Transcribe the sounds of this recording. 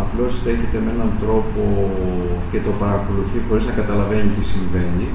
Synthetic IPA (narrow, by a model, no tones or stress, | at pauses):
ɐplo̞st̪e̞çet̪e̞meenɐnt̪ɾo̞po̞ | ce̞t̪o̞pɐɾɐko̞luθixo̞ɾiznɐkɐt̪ɐlɐve̞nit̪isiɱve̞ni